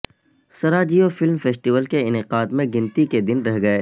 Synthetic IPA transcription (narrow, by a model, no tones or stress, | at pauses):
sɐɾaːd͡ʒijofɪlmfeːsʈiʋəlkeɪnɪqaːd̪mẽɡɪ̃nt̪iked̪ɪnɾɛɦɡɐeː